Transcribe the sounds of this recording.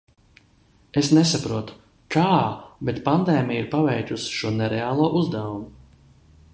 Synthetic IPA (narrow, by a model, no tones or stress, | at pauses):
esnesapɾuɔt̪u̥ | kaːbet̪pand̪ɛːmijiɾpavɛjk̪usi̥ʃuɔnɛɾeaːlˠuɔʔuzd̪awumu